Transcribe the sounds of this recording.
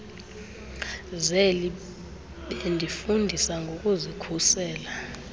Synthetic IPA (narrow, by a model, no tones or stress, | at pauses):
zɛl | ɓendʱifundʱisaŋɡʱokʼuzikʰusɛːla